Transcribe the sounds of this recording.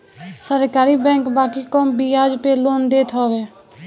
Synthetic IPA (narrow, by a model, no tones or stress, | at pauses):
səɾkaːɾibɛ̃ːkbaːkikɔmbiaːd͡ʒpeloːnd̪eːt̪ʰɦɔːʋeː